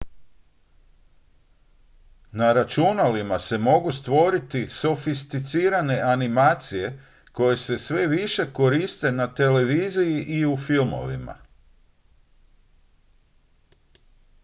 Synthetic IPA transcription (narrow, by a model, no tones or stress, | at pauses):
naɾat͡ʃunalimase̞mo̞ɡust̪ʋo̞ɾit̪iso̞fist̪it̪siːɾane̞ʔanimaːt̪sije̞ | ko̞je̞se̞sʋe̞ʋiʃe̞ko̞ɾist̪e̞nat̪e̞le̞ʋiːzijiʔiufilˠmo̞̰ʋḭma̰